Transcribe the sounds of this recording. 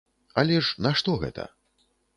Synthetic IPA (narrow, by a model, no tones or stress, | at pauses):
ɐlʲɛʂnɐʂt̪ɔɣɛ̰t̪ʰɐ̰